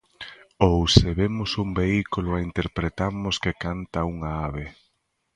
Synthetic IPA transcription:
owseβemʊsumbeikulʊaint̪eɾpɾet̪aɾmʊskekant̪auŋaaβe

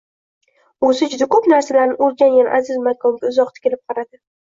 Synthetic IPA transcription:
osɪd͡ʒʊd̪akʰɵpnaɾsalaɾnɪoɾɡʲanjʲanʔazɪzmakʰɒmɡʲaʊzɒq̚t̪ʰɪ̥kʲelɪp̚qʰɑɾad̪ɪ

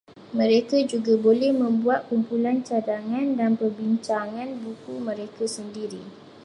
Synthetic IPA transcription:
mə̃ɾekad͡ʒuɡabolɛhmə̃mbuat̪̚kumpulant͡ʃadaŋãndanpərbiɲt͡ʃaŋãnbukumə̃ɾekasəndiɾi

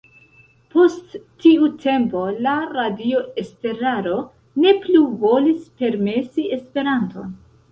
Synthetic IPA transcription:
po̞sttːiutʰe̞mpo̞laɾadio̞e̞ste̞ɾaɾo̞ | ne̞pluvo̞lispe̞ɾme̞sie̞spe̞ɾanto̞̰n

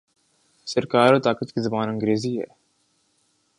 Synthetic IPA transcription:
səɾkaːɾoːt̪aːkət̪kizɐbaːnɐ̃ŋɡɾeːziɦɛ̰ː

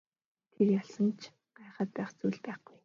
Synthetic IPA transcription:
t̪ʰerjaɮsə̆nt͡ɕʰ | ɢ̥aːχəːt̪̚pæːχt͡sujɮpæːχɡ̥uj

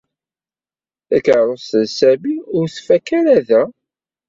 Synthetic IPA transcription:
θækəɾˤosəðsæmiʊɾθfækːæɾæðæ

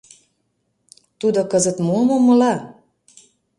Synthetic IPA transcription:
t̪ud̪okɤzə̆t̪momomɤ̆lɑ

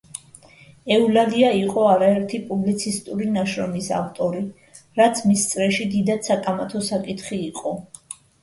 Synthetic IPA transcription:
ɛulaliaiqʼɔaɾaɛɾt̪ʰipʼublit̪sʰist̪ʼuɾinaʃɾɔmisa̰vt̪ʼɔɾi | ɾat̪sʰmist̪sʼɾɛʃid̪id̪ad̪sakʼamat̪ʰɔsakʼit̪ʰχiːqʼɔ

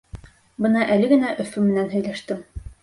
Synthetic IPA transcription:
bɤnɑʔælɘɡɘ̆næʔɵ̆fʉmɘ̆nænɦɵ̆jlæʃt̪ɘm

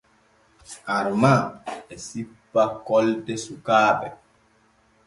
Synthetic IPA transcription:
ʔaɾmaɛsipːakɔltɛsukaːɓɛ

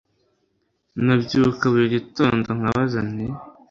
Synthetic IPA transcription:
nabɟukaβuɾeɟitoːndoŋ̥aβazane

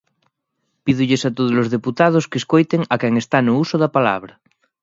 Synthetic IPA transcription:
piðuʎesat̪oð̞ozlozðeput̪að̞oskeskojt̪eŋakɛŋest̪anousoðapala̰β̞ɾa

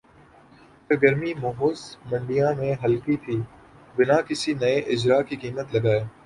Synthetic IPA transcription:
t̪ɐɡɐɾmimoːɦoːzmɐ̃ɳɖijãmẽɦɐlkit̪ʰiː | bɪnakɪsinɐeʔɪd͡ʒɾaːkikiːmət̪lɐɡaːeː

